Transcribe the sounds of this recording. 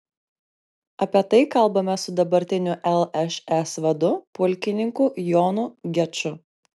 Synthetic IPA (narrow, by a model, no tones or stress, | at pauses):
ɐpʲiɛt̪ɐɪkɐlˠbɐmʲɛsʊd̪ɐbɐɾʲt̪ʲɪnʲʊʔɛlˠɛʃɛsʋɐd̪ʊpʊlʲkʲɪnʲɪŋkujɔːnʊɡʲɛt͡ʃʲʊ